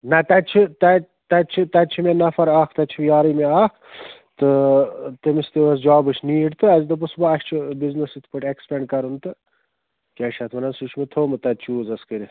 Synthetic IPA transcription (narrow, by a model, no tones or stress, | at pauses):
nɐt̪ɐt͡ʃʰit̪ɐ | t̪ɐt͡ʃʰit̪ɐt͡ʃʰimenɐfɐɾaːkʰt̪ɐt͡ʃʰijaːɾɐmeaːkʰt̪ɨt̪emist̪iɐsd͡ʒaːbɨt͡ʃʰniːɖt̪ɨɐzd̪ɨp̬usbɐɐʃʲt͡ʃʰibiznɨsit̪ʰpɐʈʲekspeɳɖkɐɾunt̪ɨ | t͡ʃɐʃɐt̪ʰmɐnɐnsut͡ʃʰmet̪ʰoːmɨt̪ɐt͡ʃʰuːzɐskɨɾi